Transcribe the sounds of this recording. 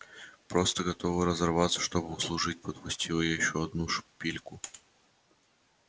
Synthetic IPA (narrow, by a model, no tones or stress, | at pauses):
pɾo̞st̪əɡɐt̪ovɨɾəzɐrvat̪sə̥ʂt̪o̞bɨʊslˠʊʐɨt̚ʲpət̪pʊsʲtʲilˠəjajɪɕːoɐd̪nuʂpʲilʲkʊ